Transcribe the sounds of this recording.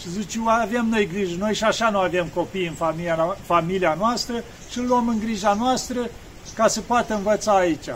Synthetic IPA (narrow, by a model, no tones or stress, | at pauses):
ʃizit͡ʃeavemno̞jɡɾiʒəno̞jʃiaʃanuave̞mko̞pijɨnfamifamilianoast̪ɾə | ʃilːuəmɨŋɡɾiʒanoast̪ɾə | kasəpoat̪əɨnvət̪saːit͡ʃʲa